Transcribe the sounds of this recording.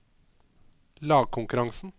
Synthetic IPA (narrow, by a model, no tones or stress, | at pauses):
lɑːɡ̚kʰʊŋkʉɾɑŋsn̩